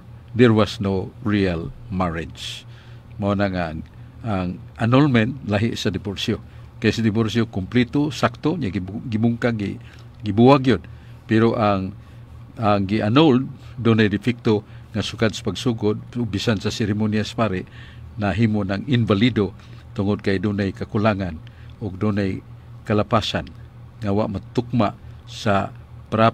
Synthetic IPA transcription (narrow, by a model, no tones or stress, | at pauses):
ðɛɹwasnoɹialmaɹɪd͡ʒs | maonaŋa | aŋʔanolmɛnt̪̚laɦɪʔsadɪborsio | kajsadɪboɾsiokʊmplit̪osak̚t̪oɲaɡɡibuŋkaɡḭ | ɡibuaɡjod̪̚ | pɛɾoʔaŋ | aŋɡiʔanold̪dunajdɪfɪk̚t̪o | ŋasukad̪̚sḁpaɡsuɡʊd̪̚bisansasɪɾimoniasḁpaɾiʔnaɦimʊnaŋɪnvalido | t̪ʊŋʊd̪̚kajdunajkakulaŋan | ʊɡ̚dunaj | kalapasan | ŋawaʔmat̪ʊk̚maʔsapɾa